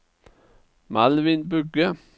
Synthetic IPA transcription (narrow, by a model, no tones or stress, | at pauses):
mɑlʋɪnbʉɡə